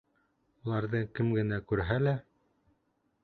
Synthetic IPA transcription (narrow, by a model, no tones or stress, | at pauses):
ulˠɑɾðɤkɘmɡɘ̆nækʉɾɦælæ